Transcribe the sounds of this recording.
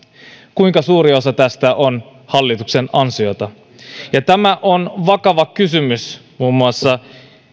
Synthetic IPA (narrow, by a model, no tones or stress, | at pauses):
kuiŋkɑsuːɾio̞sɑt̪æst̪æʔon | hɑlːit̪ukse̞nɑnsio̞t̪ɑ | jɑt̪æmæʔonʋɑkɑʋɑkysymysmuːmːuɑsːɑ